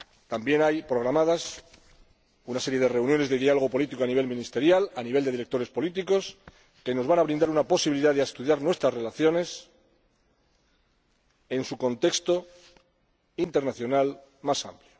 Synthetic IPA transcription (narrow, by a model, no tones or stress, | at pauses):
t̪ambje̞najpɾo̞ɣɾamaðas | unase̞ɾje̞ð̞e̞re̞unjo̞ne̞zðeðialo̞o̞po̞lit̪iko̞aniβ̞e̞lmĩnist̪e̞ɾjalaniβe̞ld̪e̞ðiɾe̞k̚t̪o̞ɾe̞spo̞lit̪̬iko̞s | ke̞no̞zβanaβɾĩnd̪aɾunapo̞siβiliðaðeaest̪uðjaɾnwe̞st̪ɾasre̞laθjo̞ne̞s | e̞nsuko̞nt̪e̞kst̪o̞ | int̪e̞ɾnaθjonalmasa̰mpljo